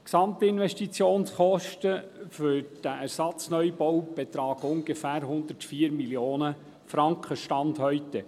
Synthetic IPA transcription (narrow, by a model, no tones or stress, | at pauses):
ksɑmt̪iɪnʋɛʃtit͡sjoːnsχɔʃtəfʏɾd̥æʔæɾsɑt͡snœjbɔwb̥et̪ɾɑːɡʊŋɡefæːɾɦʊnd̪ətfiːəɾmiljoːnə | fɾɑŋkχəʃtɑnd̪hœʏt̪ə